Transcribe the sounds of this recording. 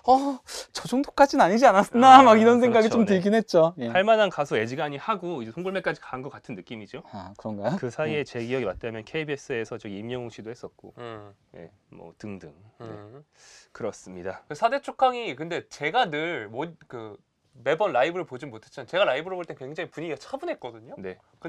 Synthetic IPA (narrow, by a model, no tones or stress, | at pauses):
ʌt͡ɕʌd͡ʑoŋtʰo̥k͈at͡ɕʰinaɲid͡ʑianas͈ʌnamaɡiɾʌnsʰeŋɡaɡit͡ɕomtɯɡinɦe̞t̚t͡ɕ͈ojepaɭmanankasʰoe̞d͡ʑiɡaɲihaɡoid͡ʑesʰoŋɡɯɭmek͈ad͡ʑikaɦnɡʌk͈atʰɯnːɯk͈imid͡ʑoakɯɾʌŋɡajokɯsʰaie̞t͡ɕe̞ɡiʌɡibat̚t͈amjʌnkʰe̞ibie̞s͈ɯesʰʌt͡ɕʌɡiimɲʌŋoŋɕʰidohes͈ʌt̚k͈o̰ | je̞̰ | mʌ̰tɯŋdɯŋe̞̰ | kɯɾʌs͈ɯmɲidasʰade̞t͡ɕʰokʰaŋikɯnde̞t͡ɕe̞ɡanɯɭmʌkɯ | me̞bʌnɾaibɯɾɯɭpod͡ʑinmotʰet͡ɕʰimant͡ɕe̞ɡaɾaibɯɾoboɭt͈enkwe̞ŋd͡ʑaŋipuɲiɡat͡ɕʰabɯnɦe̞t̚k͈ʌdɯɲone̞ | kɯ